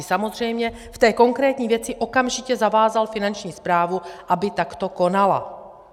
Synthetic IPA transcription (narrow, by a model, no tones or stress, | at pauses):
ɪsamo̞zr̝ɛjmɲɛ | ft̪ɛːko̞ŋkɾɛːt̪ɲiːvjɛt͡sɪʔo̞kamʒɪcɛzavaːzalfɪnant͡ʃɲiːspɾaːvuʔabɪt̪akt̪o̞ko̞nala̰